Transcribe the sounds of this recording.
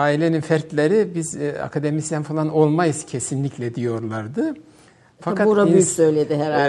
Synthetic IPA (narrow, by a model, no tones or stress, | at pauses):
aːilʲeninfæɾt̪lʲeɾibiza̰kʰad̪e̞misænfalˠano̞lˠmajɯz̥cʰesinlʲiclʲɛd̪ijo̞ɾlˠaɾd̪ɯ | fakʰatuɾabyjysøjlʲed̪ɪɦɛɾ